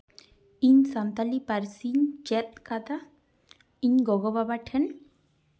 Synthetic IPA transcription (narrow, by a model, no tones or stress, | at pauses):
iɲsant̪alipaɾsiɲd͡ʒɛt̪̚kad̪a | iɲɡɔɡɔbabaʈʰɛn